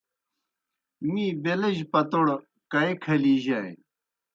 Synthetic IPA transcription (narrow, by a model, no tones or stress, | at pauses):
miːbelɐʑpɐt̪oɽ | kɐekʰɐliːʑaj